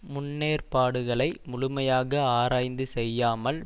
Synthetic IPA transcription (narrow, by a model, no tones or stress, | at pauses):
mʊnːeːrpaːɽɯɣɐɭɐɪmʊlʊmɐjaːɣɐaːɾaːjnd̪ɯsɛjːaːmɐl